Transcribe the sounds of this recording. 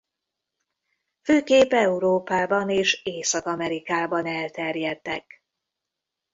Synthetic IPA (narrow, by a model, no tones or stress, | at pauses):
føːkeːpɛuɾoːpaːbɒneːʃeːsɒkɒmɛɾikaːbɒnɛlt̪ɛrjɛt̪ːɛk